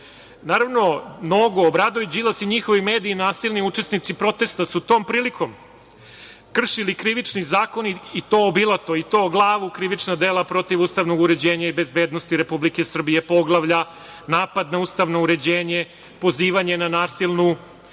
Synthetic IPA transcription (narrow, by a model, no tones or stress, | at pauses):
naːɾaʋno̞mnoɡoːbɾad̪ojud͡ʑilasiɲixo̞ʋimeːd̪iːnaːsilniut͡ʂe̞snit̪sipɾo̞t̪e̞st̪asut̪o̞ːmpɾiːlikʰo̞m | kr̩ʃilikɾiʋit͡ʂnizaːko̞niit̪obilˠat̪oit̪o̞ɡlˠaːʋukɾiʋit͡ʂnad̪e̞lˠapɾo̞t̪iʋuːst̪aʋno̞ɡuɾe̞d͡ʑe̞ːɲaibe̞zbeːd̪nost̪iɾe̞publikesr̩bije̞po̞ɡlˠaʋʎa | naːpad̪nauːst̪aʋno̞uɾe̞d͡ʑeːɲe | po̞ziːʋaɲe̞nanaːsilˠnu